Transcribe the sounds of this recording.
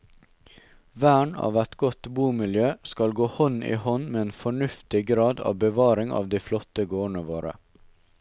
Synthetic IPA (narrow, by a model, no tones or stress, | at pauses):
ʋæːɳɑ̰ːʋæt̪ɡɔt̪buːmɪljøːskɑlɡoːhɔnḭːhɔnmeːeːnfɔɳʉft̪ɪɡɾɑːd̪ɑ̰ːʋbəʋɑːɾɪŋɑ̰ːʋd̪iːflɔt̪əɡoːɳəʋoːɾə̰